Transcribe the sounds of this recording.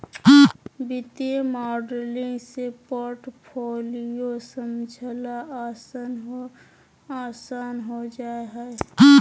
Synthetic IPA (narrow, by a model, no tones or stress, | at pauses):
bɪt̪emaːɖəɾlĩŋɡsepoɾʈpʰoːlijosəmd͡ʒʱəlaas | aːsaːnɦod͡ʒaːeɦɛe